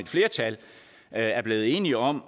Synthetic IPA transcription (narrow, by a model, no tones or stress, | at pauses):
e̝d̥fle̝ːɐt͡sʰæl | æɐb̥le̝ːð̩ˠe̝ːniɒ̽m̰